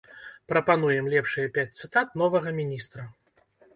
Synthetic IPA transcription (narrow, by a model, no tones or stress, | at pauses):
pɾɐpanujɛmlʲɛpʂɨjɐpʲat͡s̚ʲt̪sɨt̪at̪̚nɔvɐɣɐmʲinʲist̪ɾɐ